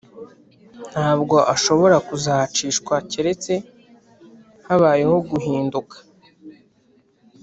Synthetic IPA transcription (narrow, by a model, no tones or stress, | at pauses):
n̥haːbɡo̞ʔaʃo̞βo̞ɾakuzaht͡ʃiːʃkwaceɾe̞t͡se̞ | haβaːje̞ho̞ɡuɦiːndukḁ